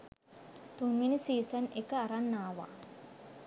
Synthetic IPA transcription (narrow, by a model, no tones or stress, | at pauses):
t̪unʋinisiːsɐnekːəaɾanːaːʋa̰